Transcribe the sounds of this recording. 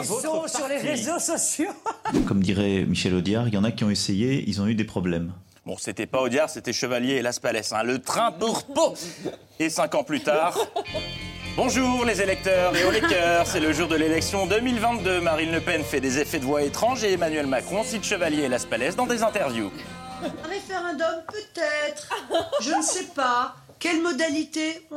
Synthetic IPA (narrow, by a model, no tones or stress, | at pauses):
leʁezosɔsjokɔmd̪iʁɛmiʃɛlod̪jaʁijɑ̃nakʲiɔ̃esejeḭlzɔ̃yd̪epχɔblɛm | bɔ̰̃set̪ɛpaod̪jaʁset̪ɛʃəvaljeːlaspalɛsɛ̰̃lət̪χɛ̃puʁpo | esɛ̃kɑ̃plyt̪aːʁ | bɔ̃ʒuːʁlezelɛk̚t̪œʁleolɛk̚t̪œʁsɛləʒuʁd̪əlelɛksjɔ̃d̪əmilvɛ̃t̪d̪ømaʁinləpɛnfɛd̪ezefɛd̪əvwaet̪χɑ̃ʒeːmanɥɛlmakχɔ̃sit̪ʃəvaljeːlaspalɛsd̪ɑ̃d̪ezɛ̃t̪ɛʁvjũ | ʁefeʁɑ̃d̪ɔmpøt̪ɛt̪χʒənəssɛpa | kʲɛlmɔd̪alit̪e